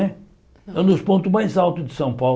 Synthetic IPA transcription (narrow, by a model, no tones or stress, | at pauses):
ɛ | ɛnuʃpõnt̪umaj̃zalˠt̪ud̪ɨsɐ̃w̃paw